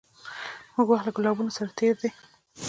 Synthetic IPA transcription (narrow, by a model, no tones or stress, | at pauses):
muɡwaxt̪laɡʊlɑbunosaɾat̪eɾd̪e